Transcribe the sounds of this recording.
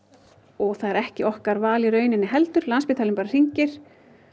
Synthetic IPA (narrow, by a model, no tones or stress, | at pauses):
ɔɣθaðɛɾɛhcɪɔhkaɾvaːlɪɾœːɥnɪnːɪɦɛlt̪ʏɾlanspɪːt̪ʰalɪmpaɾar̥iɲcɪɾ̥